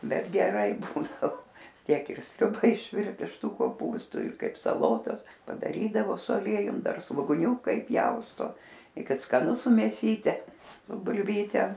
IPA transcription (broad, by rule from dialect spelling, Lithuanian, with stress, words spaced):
ˈbʲɛt ɡʲɛˈrɐɪ ˈbuːdɐʋoː ˈtʲiɛk ɪr ˈsʲrʲʊbɐ ɪʃʲˈʋʲɪrt ɪʃ ˈtuː koːˈpuːstuː ɪr ˈkɐɪp sɐˈlˠoːtɐs pɐdɐˈrʲiːdɐʋoː sʊ ɐˈlʲiɛjʊm ˈdɐr sʋoːɡʊˈnʲuːkɐ ɪˈpʲjɛʊstoː ɪ ˈkɐt skɐˈnʊ sʊ mʲeːˈsʲiːtʲɛ sʊ bʊlʲˈʋʲiːtʲɛ